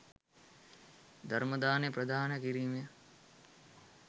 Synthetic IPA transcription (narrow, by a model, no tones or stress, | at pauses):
d̪ɐɾmɐd̪aːnepɾɐd̪ʱaːnɐkiɾiːmjɐ